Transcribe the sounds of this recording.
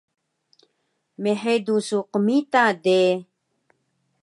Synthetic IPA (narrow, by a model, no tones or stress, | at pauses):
meħedusuqəmit̪ade